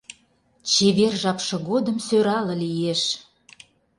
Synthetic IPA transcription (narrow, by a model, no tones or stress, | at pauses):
t͡ɕeβerʒɑpʃɤ̆ɣod̪ə̆msøɾɑlə̆lijeʃ